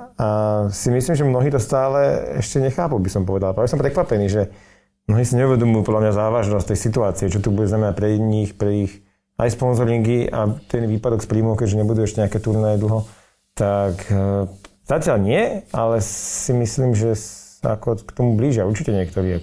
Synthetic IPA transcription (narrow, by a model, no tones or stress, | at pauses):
asimisliːmʒɛmnɔɦiːt̪ɔst̪aːlɛɛ̰ʃcɛɲɛxaːpubisɔmpɔʋɛd̪alapaisɔmpɾɛkʋapɛniːʒɛ | mnɔɦiːsiɲɛuʋɛd̪ɔmujupɔd̪lamɲazaːʋaʒnɔst̪ɛjsit̪uaːt͡siɛt͡ʃɔt̪ubuɟɛznamɛnac̚pɾɛɲixpɾɛix | a̰jspɔnzɔɾiŋkiʔa̰t̪ɛnʋiːpad̪ɔkspɾiːmɔʊkɛɟʒɛɲɛbud̪uɛʃcɛɲɛakɛːt̪uɾnajɛd̪l̩ˠɦɔ | t̪ak | z̥acɪalɲɪɛalɛsimisliːmʒɛsa̰akɔkt̪ɔmubliːʒɪauɾt͡ʃicɛɲɪɛkt̪ɔɾiːɛ